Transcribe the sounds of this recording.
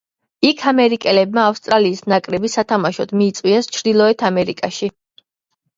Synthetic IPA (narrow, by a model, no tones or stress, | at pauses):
ikʰamɛɾikʼɛlɛb̚maːfst̪ʼɾaliːsnakʼɾɛbisat̪ʰamaʃɔd̪miːt̪sʼwiast͡ʃʰɾd̪ilˠɔɛt̪ʰamɛɾikʼaʃi